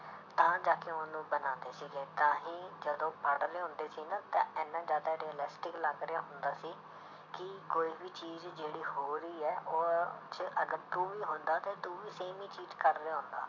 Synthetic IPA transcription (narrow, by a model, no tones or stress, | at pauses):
t̪ãːd͡ʒaːkeʊnũːbənãːnd̪eːsiːɡeːt̪ãːɦĩːd͡ʒəd̪õːpʰəɽɾeːɦʊ̃nd̪eːsiːnãːt̪ã̰ːɛːnːãːzjaːd̪aːɾiːəlɪsʈɪkləɡɾejaːɦʊnd̪aːsiː | kɪkoːiːbiːt͡ʃiːzd͡ʒeːɽiːhoːɾiːɛːʔoːt͡ʃəɡəɾt̪uːʋiːɦʊnd̪aːt̪eːt̪uːʋiːseːmĩːt͡ʃiːzkəɾːeːɦʊ̃nd̪a̰ː